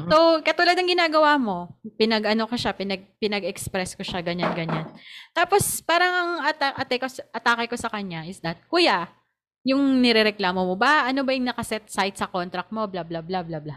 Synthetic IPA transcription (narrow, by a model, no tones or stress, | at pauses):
sokɐt̪ulad̪nɐŋɡɪnaːɡɐwaːmo̞pɪnɐɡʔɐno̞kɐʃapɪnɐɡ̚pɪnɐɡɛkspɾɛskoʃaɡɐɲanɡɐɲant̪aːpo̞spaːɾɐŋʔɐŋɐt̪aʔɐt̪ɛkosʔɐt̪aːkɐjkosɐkɐɲaʔɪsd̪ɐt̪̚kujaʔ | jʊŋnɛɾɛɾɛklaːmomobɐʔɐno̞bɐjʊŋnɐkɐsɛt̪̚sajt̪sɐko̞nt̪ɾɐk̚mo̞blablablablabla